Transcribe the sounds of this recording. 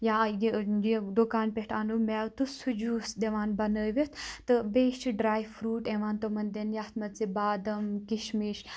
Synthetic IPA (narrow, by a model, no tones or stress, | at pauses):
jaːjjed̪okaːnpeʈaːnumɛːwt̪usud͡ʒuːsd̪eʋaːnbɐnəːʋet̪ʰt̪ɨbeːʃt͡ʃiɖɾaːjfʰɾuːʈeːʋaːnt̪omɐnd̪enjaːt̪mɐt̪t͡sibaːd̪ɐmkiʃmiːʃ